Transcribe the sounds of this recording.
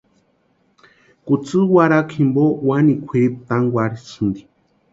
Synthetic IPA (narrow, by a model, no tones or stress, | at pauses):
kut͡sɨwaɾakʰimbowanikʷʰiip̚t̪aŋɡwaɾisɨnd̪i̥